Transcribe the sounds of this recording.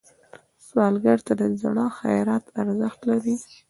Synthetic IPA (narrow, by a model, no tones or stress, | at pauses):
swɑlɡaɽt̪ad̪əzaɽɑxa̰jɾat̪aɾzəxt̪laɾi